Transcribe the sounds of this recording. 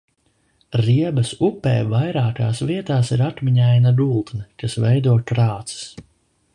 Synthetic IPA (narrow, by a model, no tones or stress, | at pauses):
ɾiɛbɐsupɛ̰ːvajɾaːkaːsviɛt̪aːsiɾat̪miɲajnad̪ulˠt̪nɨkasvɛjd̪uɔkɾaːt̪si̥s